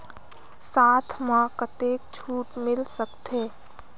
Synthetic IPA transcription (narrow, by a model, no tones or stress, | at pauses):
saːt̪ʰmãkət̪eːk̚t͡ʃʰuːʈmɪlsəkt̪ʰeː